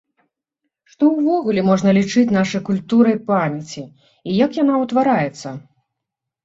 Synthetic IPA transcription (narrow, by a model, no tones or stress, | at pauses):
ʂt̪ɔwvɔɣulʲɛmɔʐnɐlʲit͡ʂɨt͡sʲnaʂɐjkulʲt̪uɾɨjpamʲɛt͡sʲi | ijakjan̪awt̪vaɾajɛt̪sːɐ